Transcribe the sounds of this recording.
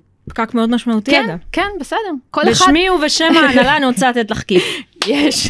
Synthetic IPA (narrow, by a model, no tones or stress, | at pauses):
pkakmeo̞d̪maʃmaut̪iakenbesed̪eʁkoleʃamiuveʃemeknalanit͡sat̪et̪laχkifjeʃ